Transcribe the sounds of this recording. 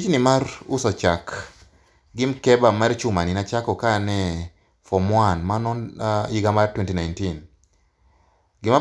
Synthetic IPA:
t͡ʃnɪmarṵsɔt͡ʃak | ɡɪmkɛbamaɾt͡ʃʊmaninat͡ʃakɔkanɛ | fɔmwanmanɔniɡamartwɛntinajntin | ɡɪma

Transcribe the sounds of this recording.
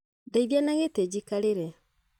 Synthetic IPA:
daiðjanaɣeted͡ʑikaɾeɾɛ

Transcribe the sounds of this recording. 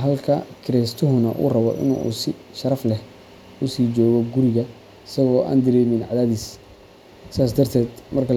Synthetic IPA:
ɦɐlkʰɐkʰɪɾɛst̪ʰʊɦʊnɐʔṵːrɐβɔ̰ʔɪ̰nṵːsɪ | ʃɐɾɐflɛh | ʊsiːd͡ʒɔːɣɔɡʊɾɪɣɐ | ɪsɐɣɔːʔa̰ːnd̪ɐɾɛːmɪnʕɑðaːðiːs | saːs̬d̪ɐrt̪ʰɛːd̪mɐrkʰɐ

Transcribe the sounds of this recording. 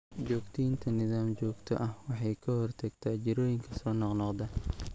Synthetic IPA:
d͡ʒɔːɡt̪ʰɪjint̪ʰɐnɪðaːmt͡ʃɔːɡt̪ʰɔ̰ʔɐhwɑħɑjkʰɐhɔrt̪ʰɐɡt̪ʰat͡ʃɪɾɔːjɪŋkʰɐsɔːnɔqnɔqd̪ɐ

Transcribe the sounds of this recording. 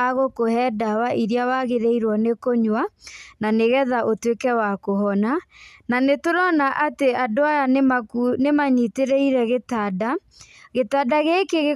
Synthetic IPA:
aɣokohɛdawaʔiɾjawaɣeɾeiɾwɔnekoɲwananeɣɛðaʔotwekɛwakoɦɔnananetoɾɔnaʔateadoajanmakunemaɲiteɾeiɾɛɣetada | ɣetadaɣekeɣe

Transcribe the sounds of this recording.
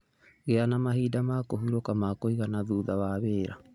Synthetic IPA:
ɣeanamaɦiːdamaːkoɦuɾokamakoiɣanaðuːðaβaβeːɾa̰

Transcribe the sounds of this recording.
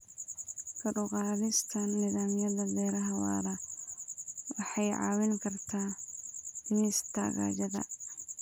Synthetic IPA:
kʰɐɖʊqɑːðɪst̪ʰɐnːɪðaːmjɐðɐbɛːɾɐɦɐwɑ̰ːɾɐ | wɑħɑjʕɑ̰ːwɪŋkʰɐrt̪ʰaː | nist̪ʰa̰ɣa̰ːd͡ʒɐðɐ̰

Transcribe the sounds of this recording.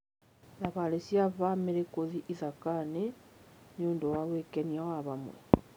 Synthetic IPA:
naβalesjaβameɾekoziʔisakanenuːndowaβwekeniawaβamwḛ

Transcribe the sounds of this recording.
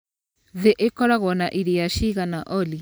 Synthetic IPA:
ðeʔekɔɾaɣɔnaʔiɾeaʃiɣanaʔɔli

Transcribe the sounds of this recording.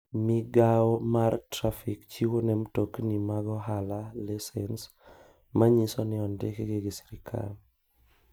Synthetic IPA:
miɡaɔmartɾafikt͡ʃiwonɛmtoknimaɡɔɦalalɛsɛns | maɲisɔnɪɔndɪkeɡɪɡɪsi̥ɾɪkʰa̰l

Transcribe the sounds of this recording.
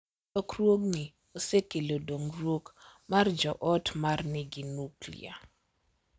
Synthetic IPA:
ɔkrwoɡnɪ | osekelodoŋrwokmard͡ʒɔʔɔtmarnɪɡɪnuklḭa̰

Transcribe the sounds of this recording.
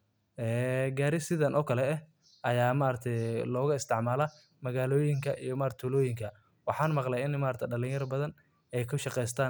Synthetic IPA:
ʔɛːɡaːɾɪsɪðɐnʔɔːkʰɐlɛɛ | ʔɐjaːmaːɾɐt̪ʰɛjlɔːɣʊɪst̪ʰɪʕmaːlɐ | mɐɣaːlɔːjɪŋkʰɐʔijɔmaːɾt̪ʰʊlɔːjɪŋkʰɐ | wɑħɑːnmɑqlɛjɪnmaːɾt̪ʰɛjɖɐlɪŋjɐrbɐðɐn | ɛjkʰʊʃɑqɛjs̬t̪ʰaːn

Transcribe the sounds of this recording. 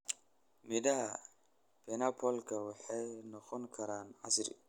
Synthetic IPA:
mɪdɐɦɐ | b̥ɛnɐpʰɔlkʰɐwɑħɑjnɔqɔŋkʰɐɾaːnʕɑsɾɪ̰

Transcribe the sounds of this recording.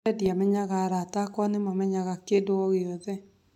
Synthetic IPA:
ɛdjamɛɲaɣaɾatakɔnɪmɔmɛɲaɣakedoɔɣeɔðɛ

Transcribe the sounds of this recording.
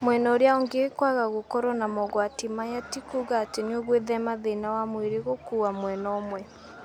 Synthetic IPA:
mwɛnɔoɾeaoŋɡekwaɣaɣokɔɾɔnamɔɣwatimajatikuɣaːteneoɣweðɛmaðenawamweɾeɣokuamwɛnɔmwɛ

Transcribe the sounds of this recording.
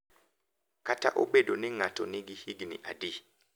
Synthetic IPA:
kata̰ʔobedonɪŋatɔnɪ̃ɡihiɡinɪ̰̃ʔa̰di

